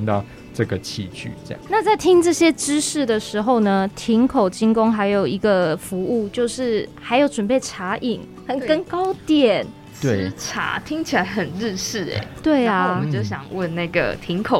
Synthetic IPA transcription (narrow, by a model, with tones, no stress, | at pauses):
nt̪ɑ˥˨ʊ | ʈ͡ʂə˥˩ɡə˩t͡ɕʰḭ˧t͡ɕʰy̰˥˨˧ɑ̰˨ŋna˥˧t͡sa˥˩ɪt̪ʰi˦˥ŋʈ͡ʂɤ˥˩ɕjɛ˦ʈ͡ʂɻ̩˥ʂɻ̩˥˩d̪ə˩ʂɻ̩˧˥xo˥˩ʊnə˩t̪ʰi˧˥ŋkʰo˨˩ʊt͡ɕi˥ŋko˦ŋxa˧˥ɪjo˨˩ʊi˧˥ɡə˧fu˧˥u˥˧t͡ɕjo˥˧ʊʂɻ̩˥˩ha˧˥ɪjo˧˥ʊʈ͡ʂwə˨npe˥˩ɪʈ͡ʂʰa˧˥ʔi˨˩ŋ | xə˨˩nkə˦nkɑ˥ʊt̪jɛ˨˩n | t̪we˥˩˧ʈ͡ʂʰa̰˧˥t̪ʰi˥ŋt͡ɕʰi˨˩a˧˥ɪxə˨˩nɻ̩˥˧ʂɻ̩˥˩ḛ˨˩˦t̪we˥˩ɪa˨˧t͡ɕjo˥˧ʊɕ̬jɑ̰˨˩ŋwə˥˧nna˥˩ɡə̰˩t̪ʰi˧˦ŋkʰo˨